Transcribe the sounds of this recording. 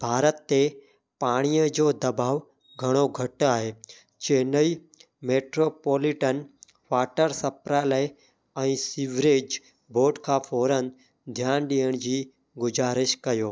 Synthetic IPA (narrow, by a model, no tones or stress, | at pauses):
bʱaːɾət̪ːe | paːɽ̃ijəd͡ʑoːd̪ɐbaːʋ | ɡʱɐɽ̃oɡʱɐʈaːɦeː | t͡ɕeːnəi | meːʈɾoːpoːlɪʈən | ʋaːʈəɾsɐpɾaləe | ɛ̃ːsiʋɾeːd͡ʑ | bʱoːʈkʰãːfʰoːɾən | d̪ʱjaːnɗiːjəɽ̃d͡ʑiː | ɡʊzaːɾɪʃkɐjoː